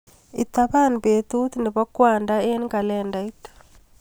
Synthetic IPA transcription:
i˨t̪aβanbet̪u˦t̪nɛ˨βa˦kwa˨nda˦e˦nka˨lɛnda˨it

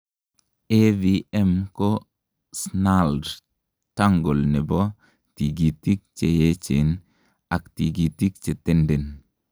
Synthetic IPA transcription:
eviɛ˦mko | snald | ta˦ŋɡo˨lne˨bo˦ | ti˨ɡi˨ti˦k̚t͡ʃe˨je˦t͡ʃe˨n | a˨kt̪i˨ɡi˨t̪i˦kt͡ʃe˨t̪ɛ˦ndɛ˨n

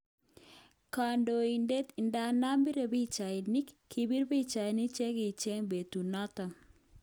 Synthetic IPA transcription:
ka˨ndo˨i˨nde˦t̪i˨nda˦na˦mbi˦ɾe˨bi˦t͡ʃa˨i˨nɪ˦kʰː | i˨bi˦ɾbi˦t͡ʃa˨i˨nɪ˦t͡ʃe˦ki˨t͡ʃe˦ŋbe˨t̪u˨nɔ˦t̪ɔ˨

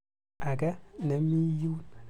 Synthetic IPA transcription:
a˨kɛ˦ne˨˦mi˦ju˦

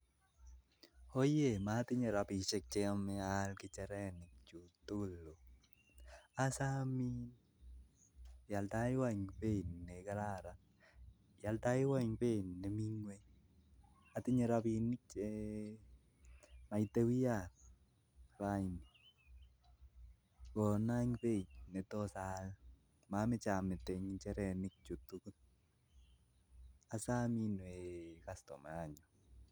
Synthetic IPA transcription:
o˦je˨ma˦tɪ˦ɲe˨ɾa˨pi˨t͡ʃɛ˦k̚t͡ʃeamɪ˦alkɪ˦t͡ʃɛ˨ɾɛ˦nɪ˨k̚t͡ʃu˨tu˦˨lo˨ | a˦sami˦n | ja˨lta˦ɪ˦wa˦ŋpe˦˨nːe˨ka˦la˦ɾa˨ | ja˨lta˦ɪ˦wa˦ɲpe˦˨nːe˨mi˦ŋwe˦ | atɪɲeɾaβinɪ˦k̚t͡ʃe | ma˨ite˦wi˦ja˨ | rajni | kɔna˦ŋpe˦ɲnɛ˨tɔsa˨l | mamɪ˦t͡ʃa˨mɪ˨tɛɲit͡ʃɛɾɛnɪk̚t͡ʃu˨tuku˦t̚ | a˨sa˦minwe˨kastɔ̰˨ma˨a˨ɲɔ

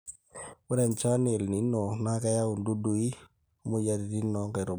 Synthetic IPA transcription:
wʊ˦ɾɛ˨nt͡ʃa˦ne˨lni˨˦nɔ˨na˦ka˦ja˦u˨ndu˦du˨i˦ | mu˦ja˦ɾi˨ɾi˦nːɔ˨˦ŋka˨ɾo˨

